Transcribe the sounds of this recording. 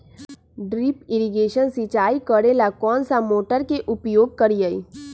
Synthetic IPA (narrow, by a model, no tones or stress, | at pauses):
ɖɾipɪɾiɡeːʃənsit͡ʃaːikəɾelakɔːnsamoːʈəɾkeʔʊpjoːɡ̚kəɾijəḭ